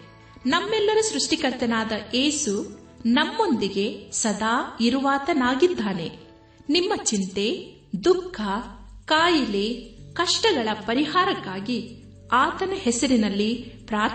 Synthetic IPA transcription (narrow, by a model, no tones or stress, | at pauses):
nɐmːɛlːɐɾusɾuʂʈikɐɾt̪ɐnaːd̪ɐʔeːsu | nɐmːo̞nd̪iɡe̞sɐd̪aːiɾuʋaːt̪ɐnaːɡid̪ːaːne̞̰ | nimːɐt͡ʃint̪e̞ | d̪ukʰːɐkaːjilekɐʂʈɐɡɐɭɐpɐɾiɦaːɾɐkːaːɡi | aːt̪ɐnɐɦɛsɐɾinɐlːipɾaːɾt̪